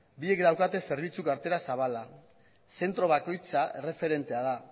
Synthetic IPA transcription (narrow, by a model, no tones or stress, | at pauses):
biekd̪awkat̪e̞se̞ɾβit͡sukaɾt̪e̞ɾasaβ̞ala | se̞nt̪ɾo̞βako̞jt͡sae̞re̞fe̞ɾe̞nt̪e̞að̞a